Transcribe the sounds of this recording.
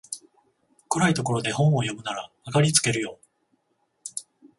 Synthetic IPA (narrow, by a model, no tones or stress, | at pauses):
koɾait̪o̞ko̞ɾo̞d̪e̞hõ̞ɰ̃o̞jo̞mɯ̟naɾaːkaɾʲit͡sɨ̥ke̞ɾɯ̟jo̞